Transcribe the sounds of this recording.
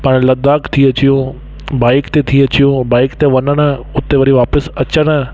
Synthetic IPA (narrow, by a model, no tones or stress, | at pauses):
paːɽ̃lɐd̪aːkt̪ʰiɐt͡ɕijũ | baːɪkt̪et̪ʰiɐt͡ɕijũbaːɪkt̪eʋɐnəɽ̃əʊt̪eʋɐɾiʋaːpəsɐt͡ɕəɽ̃a